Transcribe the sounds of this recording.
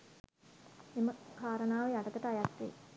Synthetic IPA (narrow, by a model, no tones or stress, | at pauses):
eməkʰaːɾənaːʋeaʈət̪əʈəajat̪ɾḛ